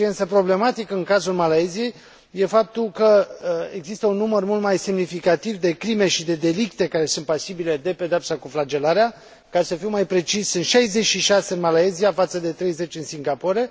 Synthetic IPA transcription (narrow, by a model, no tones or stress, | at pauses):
ient̪səpɾo̞ble̞mat̪ikəɨnkazulmalaezije̞j | je̞fap̚t̪ulkəeɡzist̪əunːumərmult̪majse̞mnifikat̪ivd̪e̞kɾime̞ʃid̪e̞d̪e̞likt̪e̞kaɾe̞sunt̪̚pasibile̞d̪e̞pe̞d̪eapsakuflad͡ʒe̞laɾea | kasəfiwmajpɾe̞t͡ʃisɨnt̪ʃajze̞t͡ʃʃiʃase̞ɨnmalaeziafat̪səd̪e̞t̪ɾe̞jze̞t͡ʃɨnsiŋɡapo̞ɾe̞